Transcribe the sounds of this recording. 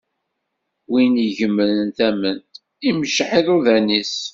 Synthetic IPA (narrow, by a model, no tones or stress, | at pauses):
winiʝəmːənnθæmənt̪ | iməʃʕiðˤuðænis